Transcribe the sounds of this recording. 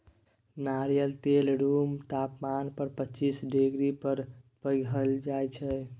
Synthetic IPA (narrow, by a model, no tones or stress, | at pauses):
naɾjəlt̪elɖumt̪apmanpəɾpətːt͡ʃisɖeɡɾipəɾpəɡɦəld͡ʒajt͡ʃʰɛ